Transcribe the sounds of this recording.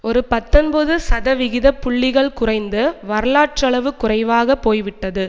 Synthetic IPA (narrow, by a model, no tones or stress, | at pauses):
ɔɾɯpɐt̪ːɔnbɐðɯsɐðɐʋɪɣɪðɐpːʊɭːɪɣɐɭkʊrɐɪnd̪ɯʋɐɾɐɭaːʈrɐɭɐʋɯkʊrɐɪʋaːɣɐpːoːjʋɪʈːɐðɯ